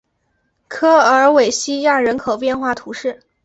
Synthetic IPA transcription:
kʰɤ˥ə˞˧˥we˨˩ɪɕi˥ja˥˩ɻə˧˥nkʰo˨˩ʊpjɛ˥˧nxwa˥˩t̪ʰu˧˥ʂɻ̩˥˩

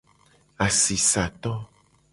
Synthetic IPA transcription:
a˨si˨sa˨t̪ɔ̃˦

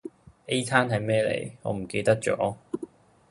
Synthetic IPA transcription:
e˥jt̪ʰaː˥nɦɐ˨˧jmɛː˥lḛ˨˩jŋɔ̰ː˨˧m̩˨˩ke˧jt̪ɐ˥k̚t͡ʃɔ̰ː˨˥

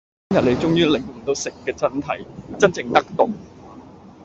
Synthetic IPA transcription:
mjɐ˨t̚le˨˩jt͡sʊ˥ŋjyː˥lɪ˨˩ŋm̩˨˩t̪o˨˧wsɪ˨kːɛː˧t͡sɐ˥nt̪ʰɐ̰˨˩jt͡sɐ˥nt͡sɪ˨ŋt̪ɐ˥k̚t̪ʊ˨k

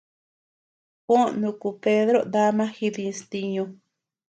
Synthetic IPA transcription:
kõ˦nũ˧ku˧pe˦ðɾo˦d̪a˦mã˦xi˧ðĩ˧st̪i˧ɲõ˧

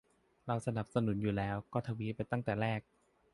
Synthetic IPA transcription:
ɾa˧wsa˧na˨˩p̚sa˧nu˩˦njuː˨˩lɛː˦˥wkɔː˥˩t̪ʰa˧wi˦˥pa˧jt̪a˥˩ŋt̪ɛː˨˩ɾɛː˥˩k̚

